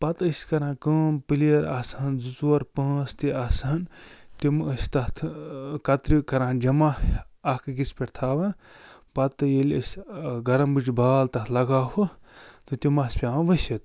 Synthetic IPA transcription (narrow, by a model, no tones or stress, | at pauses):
pɐt̪əsʲkɐɾãːkəːmpɨlijɐɾasanzut͡suwɐɾpɐ̃ːst̪iasant̪iməsʲt̪ɐt̪ʰkɐt̪ɾikɐɾãːnd͡ʒɐmaɐkɨɡispʲeʈt̪ʰaːʋaːnpɐt̪ɨjelʲəsʲɡɐɾɐmbɨt͡ʃbaːlt̪ɐt̪ʰlɐɡaːɦut̪ɨt̪ʲimɐsʲpʲaːʋʋɐsɐt̪